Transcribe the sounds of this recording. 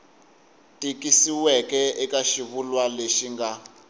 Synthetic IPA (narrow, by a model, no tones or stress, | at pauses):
tikisiwɛkɛɛkaʃiβulwaleʃiŋɡa